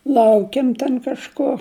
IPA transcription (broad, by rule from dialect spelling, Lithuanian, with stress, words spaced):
ˈlˠɐʊkʲeːm tʲɛn kɐʃˈkoː